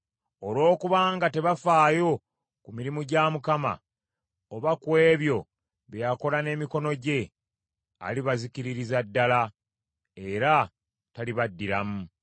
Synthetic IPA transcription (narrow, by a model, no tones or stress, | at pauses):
o̞lwo̞ːkuβaːŋɡate̞βafaːjo̞ | kumiɾimuɟamukama̰ | oβakwe̞ːβjo̞ | βejako̞lane̞ːmiko̞no̞ɟe̞ | a̰liβaziciɾiɾizadːala | e̞ɾa | taliβadːiɾamu